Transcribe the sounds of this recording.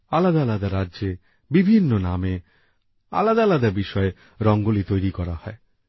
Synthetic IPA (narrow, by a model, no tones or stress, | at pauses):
alad̪alad̪aɾadd͡ʒe | bibʱinːoname | a̰lad̪alad̪abiʃɔe | ɾɔŋɡolit̪ojɾikɔɾa̰hɔe